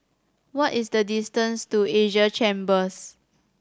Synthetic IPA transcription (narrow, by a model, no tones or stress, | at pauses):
wɔtisdədistə̃nstueʒət͡ʃẽmbəs